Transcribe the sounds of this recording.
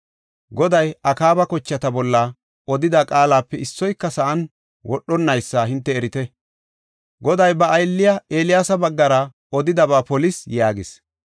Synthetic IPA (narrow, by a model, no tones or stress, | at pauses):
ɡɔd̪ɐjɐkaːbɐkɔt͡ʃːɐt̪ɐbɔlːɐ | ɔd̪ɪd̪akʼaːlaːpːɛɪsːɔjkːɐsɐʔɐn | wʔɔɗːɔnːɐjsːaːɦɪnt̪ːɛːɾɪt̪ɛ | ɡɔd̪ɐjbɐʔːjlːɪjɐeːlɪjaːsɐbɐɡːɐɾɐ | ɔd̪ɪd̪ɐβaːpɔlɪsjaːɡɪs